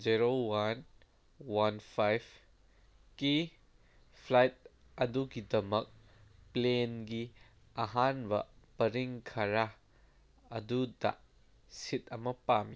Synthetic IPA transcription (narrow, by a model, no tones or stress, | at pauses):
ziɾowan | wanpʰajbʰ | ki | pʰlajt̚ | ɐduɡidɐmɐk̚ | plenɡi | ɐɦanbɐ̰pɐɾiŋkʰɐɾa | ɐdudɐ̰ | sitɐmɐpami